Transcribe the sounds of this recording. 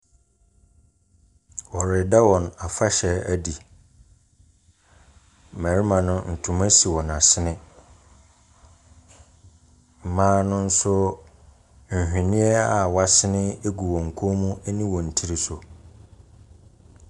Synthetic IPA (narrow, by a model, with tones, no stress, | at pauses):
wɔ˨ɾɪ˨da˦wɔ̃˨na˨fa˦ɕɛ˨æ˦di˨ | mæ˨ɾi˦mã˨nʊ̃˦n̩˨tʰʊ̃˨mã˦si˨wɔ̃˨na˨sɪ˦nɪ̃˦ | m̩˨mãː˦nʊ̃˦n̩˦sʊ˦ | ɲ̩˨hᶣĩ˨nɪ̃˦ɛ˦a˨wa˦sɪ˦nɪ̃˦e˦ɡu˨wɔ̃˨ŋ̩˨kʰo˦mũ˦e˦nĩ˦wɔ̃˨n̩˨tʰi˦ɾi˦sʊ˨